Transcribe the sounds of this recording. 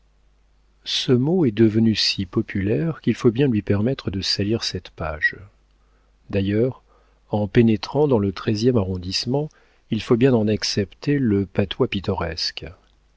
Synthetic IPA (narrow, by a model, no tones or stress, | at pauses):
səmoɛd̪əvənysipɔpʰylɛʁkʲilfobjɛ̃lɥipɛʁmɛt̪χəd̪əsaliʁsɛt̪pa̰ːʒ | d̪ajœːʁ | ɑ̃penet̪χɑ̃d̪ɑ̃lət̪χɛzjɛmaʁɔ̃d̪ismɑ̃ | ilfobjɛ̃d̪ɑ̃naksɛpt̪eləpat̪ʰwapit̪ɔʁɛsk